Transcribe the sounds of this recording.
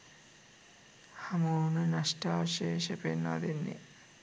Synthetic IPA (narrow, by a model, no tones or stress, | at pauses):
hamonenaʃʈaʃeʃepenːa̰d̪enːḭ